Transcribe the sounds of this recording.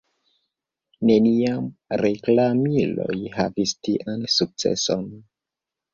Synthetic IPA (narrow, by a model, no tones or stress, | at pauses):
ne̞niamɾeklamilo̞̰jha̰vistiʔansuk̚t͡se̞̰son